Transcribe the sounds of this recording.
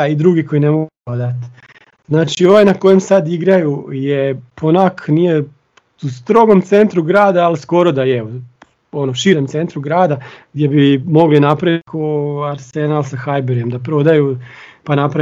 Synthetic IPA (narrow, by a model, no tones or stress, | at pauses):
aid̪ɾuːɡiko̞jine̞mo̞ɡuod̪at̪ | znaːt͡ʃio̞ʋajnako̞je̞msad̪iɡɾajujepʰonakʰnije̞ | ust̪ɾo̞ɡo̞mt̪se̞nt̪ɾuɡɾaːd̪aːlisko̞ɾo̞d̪ajeu | o̞noʃiɾemt̪se̞nt̪ɾuɡɾaːd̪aɡd̪je̞bimo̞ɡlinapɾaʋit̪kʰoaɾsenalˠsaxajbeɾijemd̪apɾo̞d̪ajupanapɾa